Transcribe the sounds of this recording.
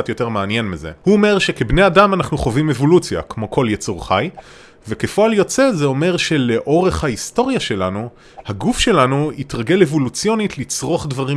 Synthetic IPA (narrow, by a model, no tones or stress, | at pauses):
atjo̞te̞ʁmeanje̞nmizḛhuome̞ʁʃe̞kebne̞jadamanaχnuχovimevo̞lut͡sija̰kmo̞kʰo̞ljet͡suʁχaj | vekefoaljo̞t͡se̞zeo̞me̞ʁʃe̞le̞ʔo̞ʁe̞χhaisto̞ʁjaʃe̞lanu | haɡufʃe̞lanuitʁaɡe̞levolut͡sjo̞nitlit͡sʁo̞χdvaʁi